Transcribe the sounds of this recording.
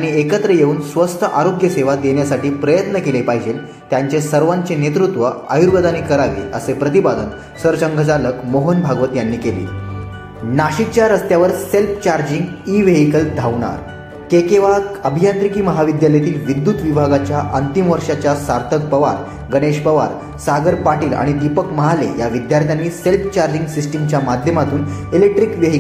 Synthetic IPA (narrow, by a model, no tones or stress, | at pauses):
aɽ̃iekət̪ɾəjeuːnsʋəst̪ʰəʔaɾoɡjəseʋad̪eɳjasaʈiːpɾəjət̪nəkelepaɦid͡ʑel | t̪jaɲt͡ɕesəɾʋaɲt͡ɕenet̪ɾut̪ʋəa̰juɾɡəd̪aniːkəɾaʋḭːəsepɾət̪ibad̪ən | səɾt͡ɕəŋɡʱət͡saləkmoɦənbʱaɡʋət̪janːiːkelḭː | naɕit͡ɕjaɾəst̪jaʋəɾselpʰt͡ɕaɾd͡ʑiŋɡiʋeɦikəld̪ʱaʋɳa̰ɾ | kekeʋaəbʱijant̪ɾikiːməɦaʋid̪jalət̪iːlʋid̪ːut̪ʋibʱaɡat͡ɕjaʔənt̪imʋəɾʂat͡ɕjasaɾt̪ʰək̚pəʋa̰ɾ | ɡəɽeɕpəʋa̰ɾ | saɡəɾpaʈiːla̰ɽ̃id̪ipəkməɦalḛjaʋid̪jaɾt̪ʰjanːiːselpʰt͡ɕaɾd͡ʑĩŋɡsisʈimt͡ɕjamad̪ʱjəmat̪uːnelek̚ʈɾikʋeɦi